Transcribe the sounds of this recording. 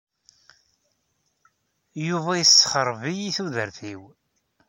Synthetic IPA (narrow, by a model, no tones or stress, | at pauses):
juvæjəsːχəɾˤvijiθuðəɾθiw